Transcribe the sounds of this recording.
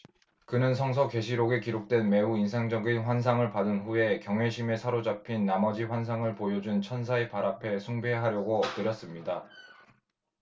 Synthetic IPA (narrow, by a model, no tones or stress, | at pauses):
kɯnɯnsʰʌŋsʰʌke̞ɕʰiɾoɡekiɾok̚t͈we̞nme̞uinsʰaŋd͡ʑʌɡinɸwans̬ʰaŋɯɭpadɯnɸue̞kjʌŋwe̞ɕʰime̞sʰaɾod͡ʑapʰinːamʌd͡ʑiɸwans̬ʰaŋɯɭpojod͡ʑunt͡ɕʰʌns̬ʰaepaɾapʰe̞sʰuŋbe̞ɦaɾjʌɡoʌp̚t͈ɯɾjʌs͈ɯmɲida